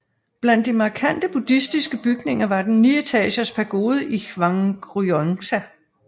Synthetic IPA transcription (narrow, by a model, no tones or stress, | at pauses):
b̥læn̰d̥ːimɑ̈ːkʰæn̰d̥əb̥ud̥isd̥isɡ̥əb̥yɡ̥ne̝ŋɐʋɑ̈d̥enːyːet͡sʰɛ̰ːɕɐspʰæɐɡ̥o̝ːð̞ˠəʔiʋɑ̈ŋɡ̥ʁuɔnsæ